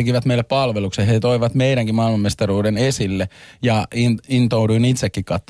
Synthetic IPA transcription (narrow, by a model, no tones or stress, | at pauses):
ekiʋæt̪meilːeppɑlʋeluksehet̪oiʋɑt̪meiɾæŋkimɑilmɑmːest̪ɑruːdenesilːejɑinint̪ouduinit̪sekːikkɑt̪ː